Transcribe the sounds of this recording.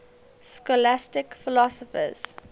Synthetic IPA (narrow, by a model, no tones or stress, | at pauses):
skɔlastɪkfɪlɔsɔfə̰z̥